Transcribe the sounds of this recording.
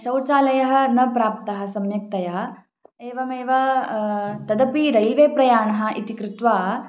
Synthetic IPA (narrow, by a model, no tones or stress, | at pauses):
ʃɐwt͡ʃaːlɐjɐɦɐnɐpɾaːp̚t̪ɐɦɐ̆sɐmjɐk̚t̪ɐja | eːʋɐmeːʋɐ | t̪ɐd̪ɐpiɾɐjlʋeːpɾɐjaːɳɐɦɐ̆ʔit̪ikɾut̪ʋaː